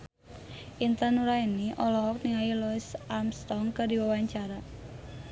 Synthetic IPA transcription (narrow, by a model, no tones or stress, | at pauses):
ʔint̪anuɾainiʔɔlɔɦɔk̚niŋajilɔɪsʔarmst̪ɔŋkərdiwawaɲt͡ʃaɾa